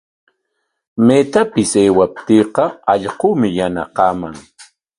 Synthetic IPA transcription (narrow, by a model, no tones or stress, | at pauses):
met̪apɪseːwap̚t̪iːqɑɑʎqumɪjana̰qɑːmaŋ